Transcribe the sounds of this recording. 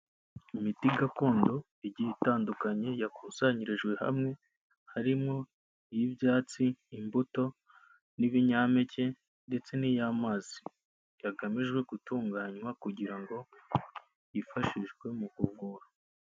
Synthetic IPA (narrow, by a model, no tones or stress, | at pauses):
imitiɡako̞ːndo̞ | iɟihitaːndukaɲe̞jakuːsaɲiɾeʒɡwe̞ha̰mŋe̞ | haɾimŋo̞ | ijibjaːt͡siːmbuto̞ | niβiɲaːme̞ce̞ | nde̞t͡se̞nijamaːz̥i | jaɡamiʒɡwe̞ɡutuːŋɡaːɲwakuɟiɾaŋɡo̞ | jifaʃiʒɡwe̞mukuvuːɾo̥